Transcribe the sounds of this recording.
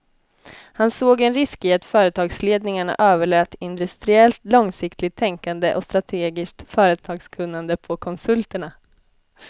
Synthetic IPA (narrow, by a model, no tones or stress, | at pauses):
hansoːɡɛnɾɪskɪat̪fœːɾət̪ʰɑːɡsleːd̪nɪŋaɳa̰ʔøːvəɭøːt̪ɪnd̪ɵst̪ɾɪɛlt̪lɔŋsɪkt̪ʰlɪɡ̚t̪ʰːɛŋkand̪əʔɔst̪ɾat̪ʰeːɡɪsk̚t̪fœːɾət̪ʰɑːɡskʰɵnːand̪əpʰɔkʰɔnsɵlt̪əɳa